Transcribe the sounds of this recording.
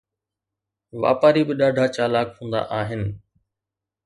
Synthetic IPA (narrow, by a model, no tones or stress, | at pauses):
ʋa̰ːpaːɾibɪɗaːɖʱat͡ɕaːlaːkhũːn̆d̪a̰ʔaːɦɪnɪ̆